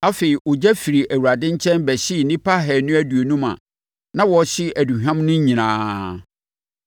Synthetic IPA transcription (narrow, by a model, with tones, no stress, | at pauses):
a˦fe˨i˨ʔʊ˨d͡ʑɛ˦fi˨ɾi˨ʔæ˨wu˨a˨dɪ̃˦ɲ̩˦t͡ɕʰɛ̃˦nbæ˨ɕɪ˦˨nĩ˦pʰa˦ɦɛ˨nʊ̃˦æ˦du˨o˨nũ˦mã̰˨ | nã˦wɔ˨˦ɕɪ˦ʔæ˨du˨ɦᶣã˦m˦nʊ̃˦ɲĩ˨nãː˨